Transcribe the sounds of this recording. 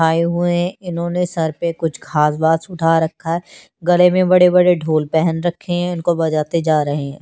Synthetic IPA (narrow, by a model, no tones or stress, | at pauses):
aːeɦʊeɦɛ̃ɪnɦõnesɐɾpekʊt͡ʃʰkʰaːsbaːd̪sʊʈʰaɾɐkʰːaɦɛː | ɡɐlemẽbɐɽebɐɽeɖʱoːlpɛɦənɾɐkʰːeɦɛ̃ɪnkobɐd͡ʒaːt̪ed͡ʒaːɾɐɦeɦɛ̃ː